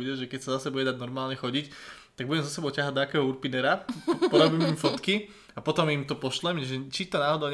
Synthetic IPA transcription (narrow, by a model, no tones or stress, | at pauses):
iɟɛʒɛkɛcsazasɛbuɟɛd̪aɟnɔɾmaːlɲɛxɔɟic | t̪aɡ̚buɟɛmzɔsɛbɔʊcaɦaɟd̪ɔakɛːɦɔuɾpinɛɾapɔɾɔbiːmimfɔt̪ki | apɔt̪ɔmimt̪ɔpɔʃlɛmʒɛt͡ʃit̪ɔnaːɦɔd̪ɔʊɲ